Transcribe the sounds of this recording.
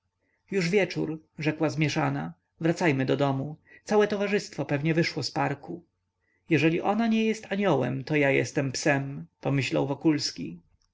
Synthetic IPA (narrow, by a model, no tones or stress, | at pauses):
juʐvʲjɛt͡ʂuɾ | ʐɛkwazmʲjɛʂana | vɾat̪sajmɘd̪ɔd̪ɔmut̪sawɛt̪ɔvaʐɘst̪fɔpɛvɲɛvɘʂwɔspaɾku | jɛʐɛlʲiʔɔnaɲɛjɛst̪ʰaɲɔwɛ̰mt̪ɔjajɛ̰st̪ɛmpsɛmpɔmɘɕla̰wvɔkulskʲi